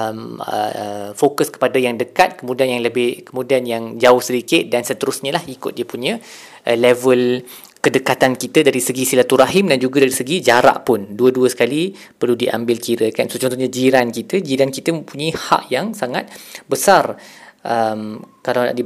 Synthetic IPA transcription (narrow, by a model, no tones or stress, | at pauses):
əmə̰fokəskə̥padajaŋdəkat̪̚kəmũdianjaŋləbɪhkəmudianjaŋd͡ʒaʊhsədikɪt̪̚dansət̪əɾʊsɲalahikʊ̰t̪̚diəpuɲã | ʔəlɛvəl | kədəkat̪ankit̪ədaɾisəɡisilat̪uɾaɦɪmdand͡ʒuɡadaɾisəɡid͡ʒaɾa̰ʔpʊnduəduəsə̥kali | pərludiʔa̰mbɪlkiɾəkansot͡ʃɔnt̪ɔhɲad͡ʒiɾankit̪əd͡ʒiɾankit̪əməmpuɲaiha̰ʔjaŋsaŋat̪̚bəsarʔəmkalana̰ʔdi